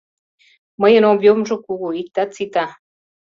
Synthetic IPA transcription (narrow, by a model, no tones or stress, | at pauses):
məjə̆nomjomʒokuɣuik̚t̪at͡sit̪a